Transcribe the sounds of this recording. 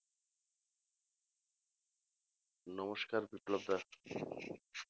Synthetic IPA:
nɔmoʃkaɾbiplob̚d̪a

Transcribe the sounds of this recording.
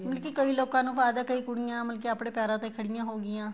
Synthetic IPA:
məlkikəiːloːkãːnũːpaːjd̪aːkəiːkʊɽɪjãːməlkiaːpɽeːpjaːɾãːt̪ẽːkʰəɽɪjãːɦoːɡɪjãː

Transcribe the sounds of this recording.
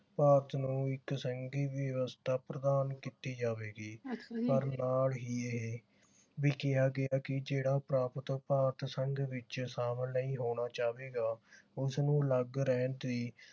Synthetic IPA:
paːɾət̪nũːɪksəŋɡiːʋjəʋəst̪ʰaːpɾəd̪aːnkiːt̪iːd͡ʒaːʋeːɡiːpəɾnaːlɦiːeɦe | ʋiːkɪaːɡɪaːkɪd͡ʒeːɽaːpɾaːpət̪paːɾət̪səŋɡʋɪt͡ʃsaːməlnəĩːɦoːɽ̃aːt͡ʃaːʋeːɡaːʊsnũːləɡɾɛːnt̪d̪iː

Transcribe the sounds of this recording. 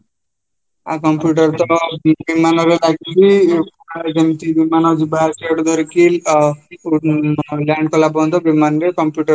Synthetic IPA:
akɔmpjuʈ̬ʌɾt̪ɔbimanɔɾelaɡid͡ʒiunalad͡ʒemt̪ibimanɔd͡zibaɾsed̪ɔɾikil | laɳɖkɔlabɔnt̪ɔbimanɾekɔmpjuʈʌɾ

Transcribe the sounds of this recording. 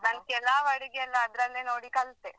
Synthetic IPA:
nɐnkɛlːaːʋɐɽiɡeɛlːɐːd̪ɾɐlːenoːɽikɐlt̪e

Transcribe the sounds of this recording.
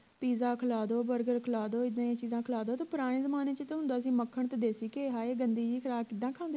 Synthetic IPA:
piːzaːkʰəlaːd̪oːbəɾɡəɾkʰəlaːd̪oːɪd̪ãːeːt͡ʃiːzãːkʰəlaːd̪oːt̪õːpʊɾaːɽ̃eːzəmaːneːt͡ʃt̪eɦʊ̃nd̪aːsĩːməkʰːəɳt̪ed̪eːsiːkeːɦaːeːɡənd̪iːd͡ʒiːkʰəɾaːbkɪd̪ːãːkʰaːnd̪

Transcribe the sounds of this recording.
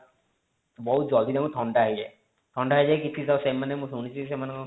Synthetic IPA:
bɔɦud͡ʒɔld̪id̪emũt̪ʰɔɳɖaɦid͡ʒe | t̪ʰɔɳɖaɦajd͡ʒekit͡ʃʰisasemanemũsuñit͡ʃʰisemanẽ

